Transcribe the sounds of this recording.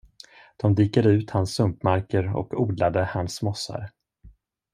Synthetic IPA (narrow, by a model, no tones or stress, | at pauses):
d̪̥ɔmd̪iːkad̪əʉ̟ːt̪hansːɵmpmaɾkəɾɔ̰kuːd̪lad̪əhansmɔsːa̰ɾ